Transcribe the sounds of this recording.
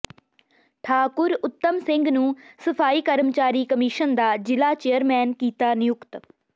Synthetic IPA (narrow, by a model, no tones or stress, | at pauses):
ʈʰaːkʊɾʊt̪ːəmsɪ̃ŋɡnũːsəpʰaːiːkəɾəmt͡ʃaːɾiːkəmɪʃənd̪aːd͡ʒɪlaːt͡ʃeːəɾmɛːnkiːt̪aːnɪjʊkt̪